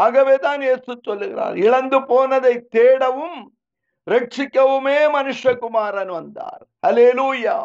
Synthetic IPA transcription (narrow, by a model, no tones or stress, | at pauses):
ɐɡɐʋeːt̪aːneːsut̪ːolːiɡɾa̰ːɾ̰iɭɐnd̪upoːnɐd̪et̪eːɽɐʋum | ɾɐkʂikɐʋumeːmɐnuʂjɐkumaːɾɐnuɐnt̪a̰ːɾ | hɐleːluːjaː